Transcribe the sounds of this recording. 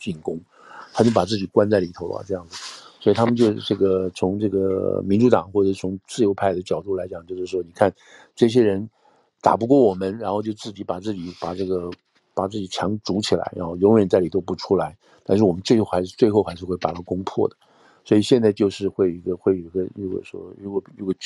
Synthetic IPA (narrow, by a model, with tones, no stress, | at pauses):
t͡ɕi˥˩nkʊ˥ŋ | t̪ʰa˥t͡ɕjo˥˩ʊpa˨˩t͡sɹ̩˥˩t͡ɕi˨˩kwa˥nt͡sa˥˩ɪli˨˩t̪ʰo˧˥ʊla̰˧ʈ͡ʂɤ˥˧jɑ˥˩ŋd͡zɹ̩˩swɔ˧˥i˨˩t̪ʰa˥mə˨nt͡ɕjo˥˧ʊ˧ʈ͡ʂɤ˥˩ɡə˩t͡sʰʊ˧˥ŋʈ͡ʂɤ˥˩ɡə˩mi˧˥nʈ͡ʂu˧˥t̪ɑ˨˩˦ŋxwɔ˥˩ʈ͡ʂə˨˩ʂ̩˥t͡sʰʊ˧˥ŋt͡sɹ̩˥˩jo˧˥ʊpʰa˥˩ɪd̪ə˩t͡ɕjɑ˨˩ʊt̪u˥˩la˧˥ɪt͡ɕjɑ˨˩˦ŋt͡ɕjo˥˧ʊʂɻ̩˥˩ʂwɔ˥ni˨˩kʰa˥˩n | ʈ͡ʂɤ˥˩ɕ̬jɛ˥ɻə˧˥n | t̪a̰˨˩pu˧˥kwɔ˥˩wɔ˨˩mə˦nɻa˧˥nxo˥˧ʊt͡ɕjo˥˧ʊt͡sɹ̩˥˩t͡ɕi˧˥pa˨˩t͡sɹ̩˥˩t͡ɕi˨˩pa˨˩ʈ͡ʂɤ˥˩ɡə˩ | pa˨˩t͡sɹ̩˥˩t͡ɕi˨˩t͡ɕʰjɑ˧˥ŋʈ͡ʂu˧˥t͡ɕʰi˨˩la̰˧˥ɪɻa̰˧˥nxo˥˧ʊjʊ˧˥ŋjɥɛ˨˩nt͡sa˥˩ɪli˨˩t̪o˥ʊpu˧˥ʈ͡ʂʰu˥la˧˥ɪ | t̪a˥˧nʂ̬ɻ̩˥˩wɔ˨˩mə˦nt͡swe˥˧xo˥˩ʊxa˧˥ɪʂɻ̩˥˧t͡swe˥˧ɪxo˥˧xa˧˥ɪʂɻ̩˥˧xwe˥˩ɪpa˨˩t̪ʰa˥kʊ˥ŋpʰwɔ̰˥˩d̪ə˩ | swɔ˧˥i˨˩ɕjɛ˥˧nt͡sɪt͡ɕjo˥˧ʊʂɻ̩˥˧xwe˥˩ɪi˧˥ɡə˧xwe˥˩ɪo˨˧˩ɡə˧jo˥˩ɡwɔ̰˨˩ʂwɔ̰˥ɻu˧˥kwɔ˨˩i˧˥˩ɡ